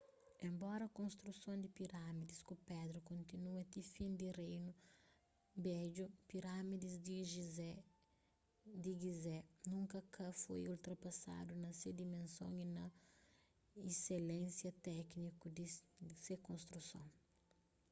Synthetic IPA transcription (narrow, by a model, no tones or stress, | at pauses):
ẽmbɔɾɐkõnst̪ɾusõnd̪ipiɾamid̪iskupɛd̪ɾukõnt̪inuɐt̪ifĩnd̪irejnu | bɛd͡ʒupiɾamid̪izd̪iʒ | d̪iɡizɛnũŋkɐkɐfojult̪ɾɐpɐsa̰d̪unɐsed̪imẽnsõ̰ŋinɐ | iselẽsjɐt̪ɛknikud̪isekõst̪ɾusõ̰ŋ